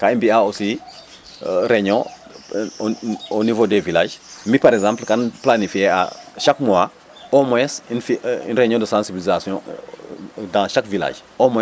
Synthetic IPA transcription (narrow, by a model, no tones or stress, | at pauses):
kaĩmbiaosi | ɾeɲɔ̃ | onivodevilaːʒmipaɾɛɡzãːmplkanplanifiea̰ʃakmua | omojɛsinfiḭnreɲɔ̃dəsãnsibilizasijɔ̃ | dãʃakvila̰ːʒ | omo